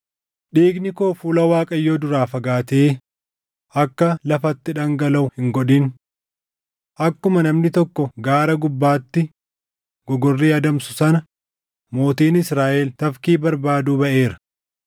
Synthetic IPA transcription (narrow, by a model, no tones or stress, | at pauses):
ɗiːɡnɪko̞ːfuːlɐwaːkʼɐjːoːd̪ʊɾaːfɐɡaːt̪eː | ʔɐkːɐlɐfɐt̪ːɪᶑɐŋɡɐlɐʊhɪŋɡɔᶑin | ʔɐkːʊmɐnɐmnɪt̪ɔkːɔɡaːɾɐɡʊbːaːt̪ːɪ | ɡ̥ɔɡɔrːiːɐd̪ɐmsʊsɐnɐ | mo̞ːt̪iːnɪsɾaːʔɛlt̪ɐfkiːbɐɾbaːd̪uːbɐʔe̞ːɾɐ̥